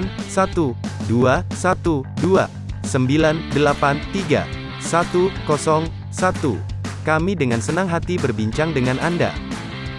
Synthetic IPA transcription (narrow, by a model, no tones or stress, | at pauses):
nsat̪uduasat̪udua | səmbilandəlapant̪iɡa̰ | sat̪ukɔsɔŋ | sat̪ṵkamidəŋansənaŋɦat̪ibərbiɲt͡ʃaŋdəŋananda̰